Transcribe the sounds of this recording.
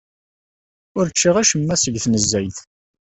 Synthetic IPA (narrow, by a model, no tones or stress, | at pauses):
ʊɾt͡ʃːiʁæʃəmːæsəʝθnəzːæjθ